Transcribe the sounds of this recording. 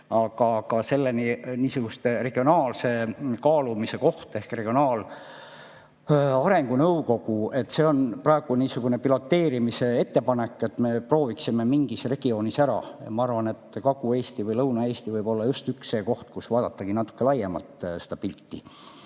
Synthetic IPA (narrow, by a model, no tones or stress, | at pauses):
ɑɡɑkɑse̞lːeniniːsuɡ̥ust̪ere̞ɡ̥io̞nɑːlse̞kɑːlumise̞ko̞ht̪e̞hkre̞ɡ̥io̞nɑːl | ɑɾe̞ŋɡ̥unɤwko̞kue̞t̪ːˑse̞o̞nprɑe̞ɡ̥uniːsuɡ̥une̞pilo̞t̪ːe̞ːɾimise̞e̞t̪ːepɑne̞kːˑe̞t̪ːˑme̞pro̞ːviksime̞miŋɡ̥isre̞ɡ̥io̞nisæɾɑ̰ɑ̰mɑɑrvɑne̞t̪ːkɑɡue̞ːst̪ivɤjlɤwnɑe̞ːst̪ivɤjb̥o̞lːɑjust̪yksːeːko̞ht̪kusvɑːd̪̥ɑt̪ːɑkinɑt̪ːˑu̥kːˑe̞lɑjemɑ̰lt̪se̞d̪ɑpilʲt̪ːi